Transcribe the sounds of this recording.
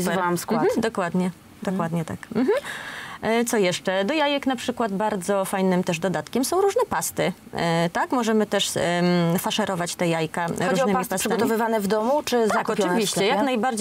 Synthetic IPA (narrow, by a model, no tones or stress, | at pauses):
zvawmskwm̩d̪ɔkwad̪ɲɛ | d̪ɔkwad̪ɲɛt̪a̰km̩ɦm̩ | t̪sɔjɛʂt͡ʂɛd̪ɔjajɛknapʂɘkwad̪baɾd̪zɔfajnɘmt̪ɛʐd̪ɔd̪at̪kʲɛmsɔ̃w̃ɾuʐnɛpast̪ɘ | t̪akmɔʐɛmɘt̪ɛʂ | faʂɛɾʔɔvat͡ɕt̪ɛjajkaɾɾunmmipasʂɨɡ̪ɡɔamt̪ɔvɨvanɛvd̪ɔmut͡ʂɘzt̪aakɔpjɔɨnvvʲiiɕt͡ɕɛjaknajbaɾd͡ʑ